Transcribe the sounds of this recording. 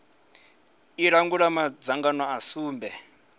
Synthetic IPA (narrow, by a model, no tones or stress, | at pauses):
iɺaŋɡuɺamad͡zaŋɡanɔasuːmbɛ